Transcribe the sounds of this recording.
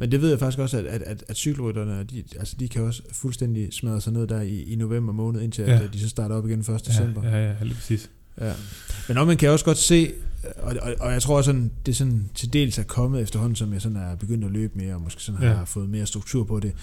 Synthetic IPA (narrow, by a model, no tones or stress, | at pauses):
mend̥e̝ʋe̝ð̰ˠjäfɑ̈ɡ̥isɡ̥ɒ̽sæ̥æ̥æd̥æd̥syɡ̥l̩ʁyd̥ɐnəɒ̽d̥iælsə̥d̥ikʰæɒ̽s | fulsd̥en̰d̥ismæðˠəsɑ̈ɪne̝̰d̥æɐiːno̝ʋem̰b̥ɐmɔ̽ːnð̞̩ˠe̝nt͡sʰe̝læ̥d̥isɒ̽sd̥ɑ̈ːɾəɒ̽b̥iɡ̥enm̩fɶɐsd̥əd̥esem̰b̥ɐḭs | jæmenɒmænkʰæjaɒ̽sɡ̥ɒ̽d̥se̝̰ːɒɒɒ̽jɑ̈ɪt͡sʰʁo̝ɐɒsɒ̽nd̥e̝sɒ̽nt͡sʰe̝ld̥e̝̰ːlsæɐkʰɒ̽məð̩ˠefd̥ɐhɒ̽n̰n̩sɒ̽mjɑ̈ɪsɒ̽næɐb̥e̝ɡ̥øn̰d̥æløːb̥əme̝ːɐɒ̽mosɡ̥e̝̰ːsɒ̽nhɑ̈fɔ̽ːð̩ˠme̝ːɐsd̥ʁuɡ̥t͡sʰuɐ̰pʰɒ̽d̥e̝